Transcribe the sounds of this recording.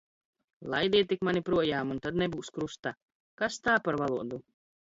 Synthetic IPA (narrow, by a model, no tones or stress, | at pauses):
lˠajd̪iɛt̪ːikmanʲipɾuɔjaːmunt̪ad̪nebuːskɾust̪a | kast̪aːpaɾvalˠuɔd̪u